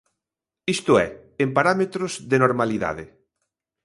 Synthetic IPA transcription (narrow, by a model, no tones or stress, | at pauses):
ist̪ʊɛ | empaɾamet̪ɾozðenoɾmaliða̰ðe